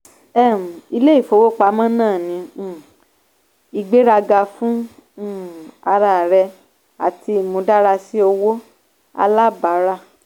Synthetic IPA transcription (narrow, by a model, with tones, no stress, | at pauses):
ɛ˦˨m̩˨i˧le˦i˦˨fo˨˧˦wo˦˨k͡pa˧˦mã˦nãː˦˨nĩ˨˧˦ | i˧ɡ͡be˦ɾa˧ɡa˧fũ˦˨ | a˧ɾa˧˨ɾɛ˧ | a̰˨ti˧˨mõ˧˦da˦ɾa˧si˦o˧wo˦ | a̰˧la˦ba˨˦ɾa˦˨